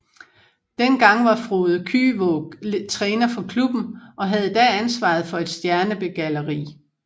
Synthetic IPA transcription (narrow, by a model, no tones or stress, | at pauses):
d̥enɡ̥ɑ̈ŋ̰ʋɑ̈fʁoːð̞̩ˠkʰy̰ːʋɔ̥t͡sʰʁɛːnɐfɒ̽kʰlub̥n̩ʔɒ̽ɦæð̞ˠd̥ɛænsʋɑ̰̈ð̞̩ˠfɒ̽e̝d̥sd̥jæɐnəb̥e̝ɡ̥æləʁḭː